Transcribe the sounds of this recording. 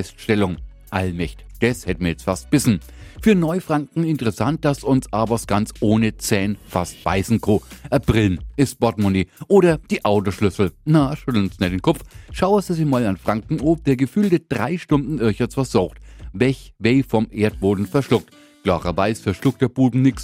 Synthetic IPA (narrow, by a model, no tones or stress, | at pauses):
ɛstʃtɛlʊŋ | ʔalmɛçt | d̥ɛshɛtmiːɐjɛt͡stfast̚b̥ɪsn̩ | fyːɐnɔʏfʁ̥aŋkŋ̩ɪntəʁɛsant̚d̥asʊnsʔaːbɐsɡ̥ant͡sʔoːnət͡sɛːnfast̚b̥a̰ɪzn̩kʰoːʔɐbʁ̥ɪlnɪsb̥ɔtmoniːʔoːɾɐd̥iːʔaʊtoʃlʏsl̩naʃʏtl̩snɛtenkʰɔpp͡fʃaʊəsd̥uziːmaːlanfʁ̥aŋkŋ̩op̚d̥eːɐɡəfyːlded̥ʁaɪʃtʊndn̩ɪɐçɔt͡sfasz̥ɔʊxtvɛlçveɪfɔmʔeːɐt̚b̥oːdn̩fɛɐʃlʊk̚t | ɡ̥laːʁɐvaɪsfɛɐʃlʊk̚t̚d̥eːɐb̥uːbm̩nɪks